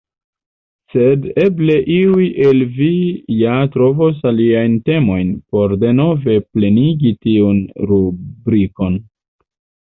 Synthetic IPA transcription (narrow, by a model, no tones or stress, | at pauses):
se̞de̞ble̞ʔiujʔe̞lvijatɾo̞vos̬aliajnte̞mo̞jnpo̞ɾde̞no̞ve̞ple̞niɡitiunɾubɾiko̞n